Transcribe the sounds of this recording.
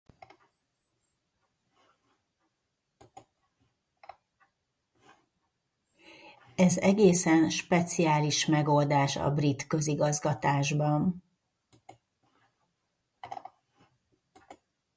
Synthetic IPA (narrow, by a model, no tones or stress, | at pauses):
ɛzɛɡeːsɛnʃpɛt̪siaːliʃmɛɡo̞ld̪aːʃɒ̰brit̪kø̞ziɡɒzɡɒt̪aːʒbɒn